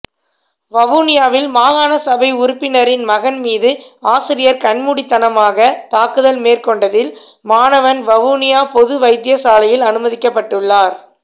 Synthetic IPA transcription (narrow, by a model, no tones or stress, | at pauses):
ʋɐʋuːnɪjaːʋɪlmaːɣaːnɐsɐbɐɪʊɾʊpːɪnɐɾɪnmɐɣɐnmiːðɯaːsɪɾɪjɐɾkɐnmuɽit̪ːɐnɐmaːɣɐt̪aːkɯðɐlmeːrkɔɳɖɐðɪl | maːnɐʋɐnʋɐʋuːnɪjaːpɔðɯʋɐɪd̪ɪjɐsaːlɐjɪlɐnɯmɐðɪkːɐpːɐʈːɯɭːaːɾ